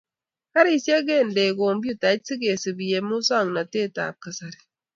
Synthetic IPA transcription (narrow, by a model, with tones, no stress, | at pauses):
ka˦ɾi˨sje˦ɡe˦˨n˨de˨ɡo˨m˦bju˦ta˨˦t̚si˦ɡe˨si˨bi˨je˨mu˦sa˦˨ŋna˨te˦˨ta̰ː˨p̚ka˨sa˨ɾi̥˨